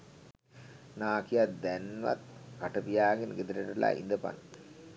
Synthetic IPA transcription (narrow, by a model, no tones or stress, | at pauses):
naːkijad̪ɛnʋɐ̰t̪̚kaʈɐpijaːɡinɡed̪iɾɐʈula̰ʔḭnd̪əpa̰n